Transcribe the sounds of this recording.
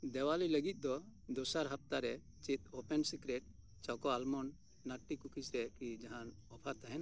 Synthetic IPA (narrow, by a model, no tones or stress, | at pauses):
d̪ɛwaliləɡit̪̚ˀd̪ɔd̪ɔsaɾɦap̚ʰt̪aɾɛ | t͡ʃit̪opɛnsikɾɛʈ̚ | t͡ʃɔkɔalmɔnː | aʈːikukʰisɾɛkid͡ʒaɦan | ɔpʰat̪aɦɛna